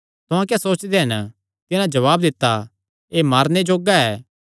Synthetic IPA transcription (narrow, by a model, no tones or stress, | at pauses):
t̪ʊãk̬jasoːt͡ʃd̪eɦɐn | t̪ɪnãd͡ʒɐʋaːbd̪ɪt̪ːa | eːmaːɾned͡ʒoːɡaɛː